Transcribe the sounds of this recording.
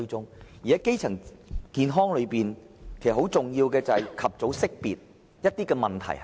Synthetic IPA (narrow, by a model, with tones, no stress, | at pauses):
t͡sʊ˥ŋji˨˩ɐ˦˥jke˥jt͡sʰɐ˨˩ŋkiː˨˧nɦɔː˥ŋlɵ˨˧ɥpiː˨n | kʰe˨˩sɐ˨˩hwt͡sʊ˨ŋjiː˧wkɛː˧t͡sɐ˨ɐ˨˩kʰɐ˨p̚t͡so˨˥wsɪ˥k̚piː˨t̚ | jɐ˥t̚t̪iː˥kɛː˧mɐ˨˩nt̪ʰɐ̰˨˩j